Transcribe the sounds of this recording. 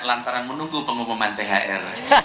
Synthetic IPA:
lant̪aɾanmənuŋɡupəŋumumant̪eɦaʔɛɾ

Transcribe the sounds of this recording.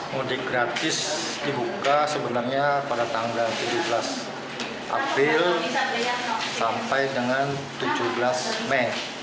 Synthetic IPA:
modiɡɾat̪ɪs | dibukasəbənarɲapadat̪aɦʊŋbant̪ud͡ʒuhblas | ʔa̰pɾɪl | sampajdəŋan | t̪ud͡ʒuhbəlasmɛn

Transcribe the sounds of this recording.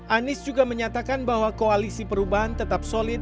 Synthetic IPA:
ʔanɪsd͡ʒuɡaməɲat̪akanbahwakoalisipəɾubaɦant̪ət̪ap̚solɪt̪̚

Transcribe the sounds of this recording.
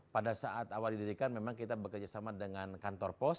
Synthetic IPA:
padasaʔat̪awaldidiɾikanmemaŋkit̪abəkərd͡ʒasamadəŋankant̪ɔrpɔs

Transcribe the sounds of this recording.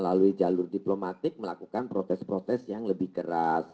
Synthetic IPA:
əlaluid͡ʒalʊrdiplomat̪ɪk̚məlakukanpɾot̪ɛspɾot̪ɛsjaŋləbɪhkəɾas

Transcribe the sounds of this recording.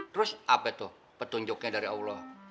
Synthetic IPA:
t̪ɾʊsʔapɛt̪ʊh | pət̪uɲd͡ʒʊkɲadaɾiaulɔ

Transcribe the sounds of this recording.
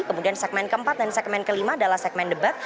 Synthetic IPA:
kəmudiansɛk̚mɛnkəmpat̪̚dansɛk̚mɛnkəlimaːdalahsɛk̚mɛndəbat̪

